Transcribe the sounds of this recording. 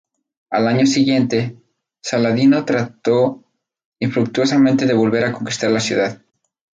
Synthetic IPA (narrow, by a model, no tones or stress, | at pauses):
alaɲo̞siɣje̞nt̪e̞ | salaðino̞t̪ɾat̪o̞ | iɱfɾuk̚t̪uo̞samẽ̞nt̪e̞ðe̞β̞o̞lβe̞ɾako̞ŋkist̪aɾlasjuðað